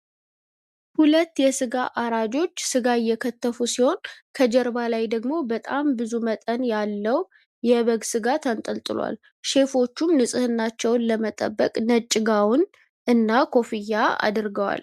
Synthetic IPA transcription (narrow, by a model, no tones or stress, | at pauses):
hulət̪ːjɛsɨɡaʔaɾad͡ʒo̞t͡ʃːsɨɡaɪjːɛkʰət̪ʰːəfusiho̞nkʰəd͡ʒɛɾbalajd̪əɡmo̞bət̪ʼambɨzumət̪ʼənjalːəw | jɛβəɡsɨɡat̪ʰənt̪ʼəlt̪ʼɨlwa̰l | ʃe̞fo̞t͡ʃːumnɨsʼɨhɨnːat͡ʃːɛwnləmət̪ʼə̰bːəkʼnət͡ʃʼːɪɡawn | ʔɨnːakʰo̞fijːaa̰d̪ɾɡəwa̰l